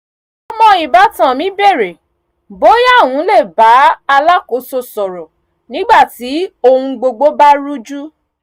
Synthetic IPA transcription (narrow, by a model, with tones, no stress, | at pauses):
ɔ˧mɔ̃˧i˨ba˨˦tã˦˨mĩ˨˦be˦˨ɾe˨ | bo˨˦ja˦˨wũ˨˦le˦˨ba˨˦a˧la˦ko˨˦so˧sɔ˨ɾɔ˨ | nĩ˨˦ɡ͡ba˦˨ti˨˦o˧hũ˧ɡ͡bo˧ɡ͡bo˦ba˦ɾu˦d͡ʒu˦